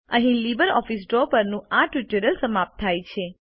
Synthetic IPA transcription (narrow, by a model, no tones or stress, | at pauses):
əɦĩlibəɾɔ̰fisɖɾopəɾnũaʈuʈəɾəlsəmap̚t̪ʰːajt͡ʃʰe